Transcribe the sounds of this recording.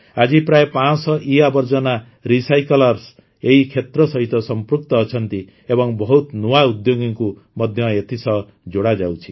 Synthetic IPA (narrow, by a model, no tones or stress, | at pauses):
ad͡ʒipɾajepãsɔʔiabʌɾd͡ʒʌna | ɾisajkɔlɔɾs | eɦikʰet̪ɾɔsʌɦit̪ɔsɔmpɾuk̚t̪ɔːt͡ʃʰʌnt̪i | ebɔŋbɔɦut̪nuaud̪joɡiŋku | mʌd̪ʱjʌet̪ʰisʌ | d͡ʒoɽad͡ʒawt͡ʃʰi̥